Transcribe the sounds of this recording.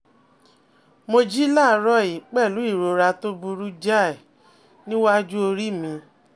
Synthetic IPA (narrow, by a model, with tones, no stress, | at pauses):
mo˧d͡ʒi˦la˦˨˧ɾɔ˦˨i˨k͡pɛ˦˨lu˨˦i˦˨ɾo˨ɾa˧to˦bu˧ɾu˦d͡ʒa˦˨ | nĩ˦wa˦d͡ʒu˦o˧ɾi˦mĩ˧